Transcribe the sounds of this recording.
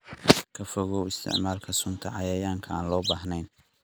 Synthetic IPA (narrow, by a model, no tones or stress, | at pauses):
kʰɐfɔɣɔwɪst̪ʰɪ̰ʕmaːlkʰɐsʊnt̪ʰɐʕɑjɐjaːŋkʰɐaːnlɔːbaːɦnɛjn